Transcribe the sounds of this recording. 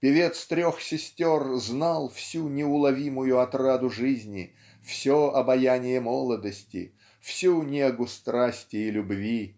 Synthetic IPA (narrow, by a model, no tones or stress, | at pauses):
pʲɪvʲe̞t̪st̪ɾʲoxsʲɪsʲtʲorznalˠfsʲunʲɪʊlˠɐvʲimʊjʊɐt̪rad̪ʊʐɨzʲnʲɪ | fsʲoɐbɐjanʲɪjəmolˠəd̪əsʲtʲɪ̰ | fsʲunʲeɡʊst̪ɾasʲtʲɪːlʲʊbvʲi